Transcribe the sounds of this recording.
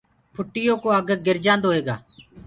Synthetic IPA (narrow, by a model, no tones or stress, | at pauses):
pʰʊʈːɪjoːkoːəɡəɡɪɾd͡ʒãːnd̪oːeːɡa̰ː